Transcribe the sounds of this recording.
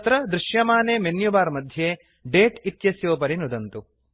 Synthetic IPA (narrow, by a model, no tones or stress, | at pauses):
t̪ɾɐd̪ɾɪʃjɐmaːneːmenjubaːɾmɐd̪ʱjeː | ɖeːʈit̪jɐsjoːpɐɾinud̪ɐnt̪u